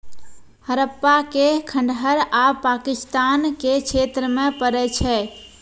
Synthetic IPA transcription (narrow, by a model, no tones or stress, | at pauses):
həɾəpːakekʰəɳɖɦəɾapakist̪ankekʰet̪ɾəmepəɾɛt͡ʃʰɛ